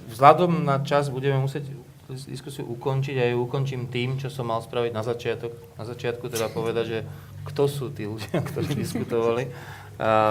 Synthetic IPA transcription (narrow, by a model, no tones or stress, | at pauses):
vzlad̪ɔmnat͡ʃazbuɟɛmɛmusɪɛɟ | d̪ḭskusiṵʔukɔnt͡ʃiɟajuukɔnt͡ʃiːmt̪iːmt͡ʃɔsɔmːalspɾaʋiɟnazat͡ʃɪat̪ɔknazat͡ʃɪat̪̚kut̪ɛd̪apɔʋɛd̪aɟʒɛ | kt̪ɔsuːt̪iːluɟɪakt̪ɔɾiːd̪iskut̪ɔʋali